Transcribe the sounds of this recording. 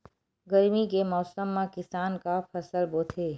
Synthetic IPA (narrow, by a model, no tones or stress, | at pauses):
ɡɐɾmikemɔːsəmːãkɪsaːnkapʰɐsəlboːt̪ʰeː